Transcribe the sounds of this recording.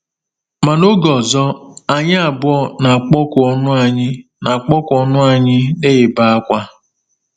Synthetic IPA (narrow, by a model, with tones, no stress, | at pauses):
ma˨no˦ɡɔ˨zɔ˦a˨ɲɪ˦a˨bʊ˦ɔ˦na˨a˨k͡pɔ˦kɔ˦nʊ˦a˨ɲɪ˦ | na˨a˨k͡pɔ˦kɔ˦nʊ˦a˨ɲɪ˦ne˦ɪ˨ba˦a˦kʷa˦